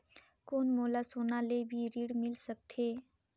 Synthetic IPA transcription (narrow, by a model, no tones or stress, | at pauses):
koːnmoːlasoːnalebʱiɾiɽmɪlsək̚t̪ʰe